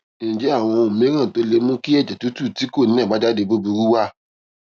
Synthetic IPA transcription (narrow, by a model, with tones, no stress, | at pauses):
e˨nĩ˨d͡ʒe˨˦a˦˨w̃ɔ̃˧o˨mĩ˨˦ɾ̃ã˦˨to˨˦le˧mũ˦ki˦ɛ˦˨d͡ʒɛ˨tu˨˦tu˦˨ti˨˦ko˦˨nĩ˦ɛ̃˦˨ɡ͡ba˨˦da˦de˧˦bo˦bu˧ɾu˦wa˦